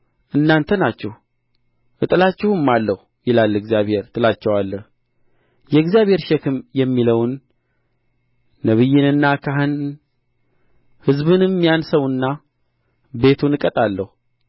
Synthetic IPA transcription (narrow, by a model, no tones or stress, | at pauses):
ʔɨnːant̪ʰənat͡ʃːɛh | ʔɨt̪ʼɨlat͡ʃːɛhɨmːalːəh | jɪlalːɨɡzijaβhe̞ɾɨt̪ʼɨlat͡ʃːɛwalːəh | jɛɡzijaβhe̞ɾʃɛkɨmjɛmːiləwn | əβɨjːɪnɨnːakʰaɦɨn | hɨzbɨnɨmːijansəwɨnːa | be̞t̪ʰunɨkʼət̪ʼalːəhu